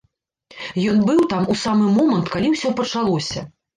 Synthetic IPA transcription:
jɔnbɨwt̪amusamɨmɔmɐnt̪kalʲiwsʲɔpɐt͡ʂalˠɔsʲɐ

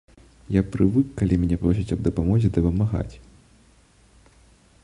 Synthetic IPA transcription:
japɾɨvɨkːalʲimʲɛnʲɛpɾɔs̬ʲit͡sʲɐbd̪ɐpamɔzʲɛd̪ɐpɐmaɣa̰t͡sʲ

